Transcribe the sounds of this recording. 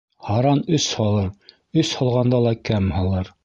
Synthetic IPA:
hɑɾɑnɵshɑlˠɤɾ | ɵshɑlˠʁɑnd̪ɑlˠɑkæmhɑlˠɤɾ

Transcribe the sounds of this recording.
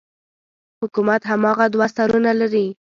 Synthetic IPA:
hʊkumat̪ɦamɑɣad̪wasaɾunalaɾi

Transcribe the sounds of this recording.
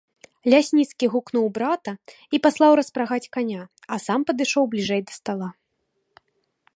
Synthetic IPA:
lʲasʲnʲit̪skʲiɣuknuwbɾat̪ɐ | ipaslˠawɾɐspɾaɣat͡sʲkanʲa | ɐsampɐd̪ɨʂɔwblʲiʐɛjd̪ɐst̪alˠa

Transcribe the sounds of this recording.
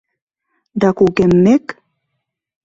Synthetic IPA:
d̪ɑkukemːek

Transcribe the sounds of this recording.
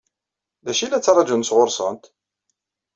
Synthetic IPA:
ðæʃilæt͡sːɑɾˤɑd͡ʒunsʁoɾˤsənt̪

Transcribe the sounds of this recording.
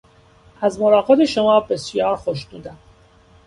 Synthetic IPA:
ʔæzmoɾɒːɣɑd̪eʃomɒːbe̞sjɒːɾxoʃd̪uːd̪æm

